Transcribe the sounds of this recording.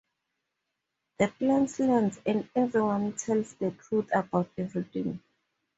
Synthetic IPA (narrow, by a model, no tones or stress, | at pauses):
ðəplãnslɛnsɛ̃ndɛvɹiwãntʰɛlsdətʰɹuθabawtɛvɹiθĩŋ